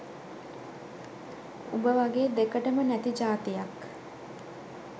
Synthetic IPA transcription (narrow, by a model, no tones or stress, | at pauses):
ubəʋaɡeːd̪ekəʈəmənæt̪id͡ʒaːt̪ijak